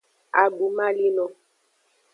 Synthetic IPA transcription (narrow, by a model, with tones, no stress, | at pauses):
a˨ɡ͡bu˨˦ma˦li˦nɔ̃˦